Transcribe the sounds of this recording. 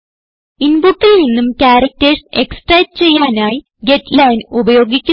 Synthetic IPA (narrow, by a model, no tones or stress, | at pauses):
inbuʈːilninːumkʲaːɾɐk̚terseksʈrɐjtɨt͡ɕe̞jːaːnaːji | ɡetlɐjnubɐjo̞ːɡikʲːu